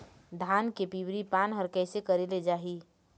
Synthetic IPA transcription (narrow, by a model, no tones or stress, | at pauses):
d̪ʱaːnkepibɾipaːnɦəɾkɛːsekəɾeled͡ʒaːɦi